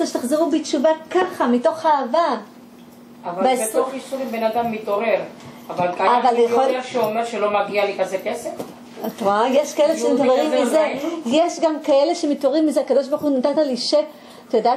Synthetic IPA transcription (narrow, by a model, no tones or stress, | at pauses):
aʃet̪aχzeʁubit͡ʃuvakaχamito̞χaːva | avavaetoχisuʁimbenad̪amːit̪o̞ʁe̞ʁ | avalkaavaleχoleʃeomeʁʃelo̞maɡialikazekesef | atʁajeʃkaeleʃemit̪oeʁimːizejeʃɡamkae̞le̞ʃemito̞ʁimːizeakado̞ʃ̬baʁχunat̪ataliʃe | t̪joda